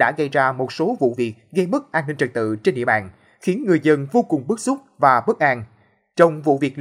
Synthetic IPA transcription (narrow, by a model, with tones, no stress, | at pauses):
ɗa̰ː˧˥ɣə˧jzaː˧mo˨˩t̚so˨˦vṵ˧˨vi˨˩ək̚ɣə˧jmə˦˥t̚ʔaː˧nːï˧ŋ̟t͡ɕə˨˩t̚t̪ɨ̰˧˨t͡ɕe˧nɗḭ˧˨ɓa̰ː˧˨n | xi˨˦ənŋɨ˨˩əjzə˧nvo˧kʊ˨˩ŋ͡mɓɨ˦˥k̚sʊ˦˥k͡p̚vaː˨˩ɓə˦˥k̚ʔaː˧n | t͡ɕə˧wŋ͡mvṵ˧˨vi˨˩ək̚